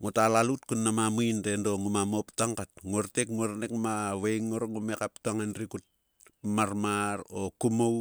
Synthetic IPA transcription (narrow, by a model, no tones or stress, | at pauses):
ŋotalalutkunːamamuijndendo̞ŋumamoptaŋkat̚ŋoɾtekmuoɾnekmaβejŋːoɾoŋumekap̚taŋanɾikut̚ | maɾmaɾokumow